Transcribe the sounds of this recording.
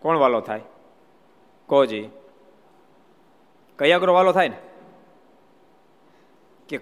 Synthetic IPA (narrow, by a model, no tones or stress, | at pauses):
kɔɳʋalot̪ʰae | kod͡ʒi | kəjaɡɾoʋalot̪ʰajne | ke